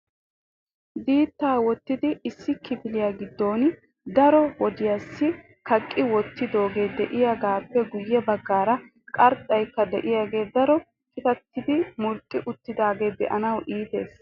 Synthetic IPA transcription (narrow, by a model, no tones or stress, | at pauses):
d̪iːt̪ːaːwɔt̪ːɪd̪ɪɪsːɪkɪbɪlɪjaːɡɪd̪ːo̞ːn | d̪ɐɾɔwɔd̪ɪjɐsːɪ | kɐkʼːɪwɔt̪ːɪd̪o̞ːɡe̞ːd̪ɛʔɪjaːɡaːpːɛɡʊjːɛbɐɡːaːɾɐ | kʼɐɾt̪ʼːɐjkːɐd̪ɛʔɪjaːɡe̞ːd̪ɐɾɔ | kʰʼɪt̪ɐt̪ːɪd̪ɪmʊlkʼːɪʔʊt̪ːɪd̪aːɡe̞ːd̪ɛ̰ʔɐnɐwʔiːt̪e̞̰ːs